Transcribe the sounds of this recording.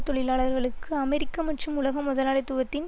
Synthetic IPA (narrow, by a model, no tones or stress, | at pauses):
t̪ːɔɭɪlaːɭɐɾɣɐɭɯkːɯɐmɛɾɪkːɐmɐʈrɯmʊlɐɣɐmːʊðɐlaːɭɐt̪ːʊʋɐt̪ːɪn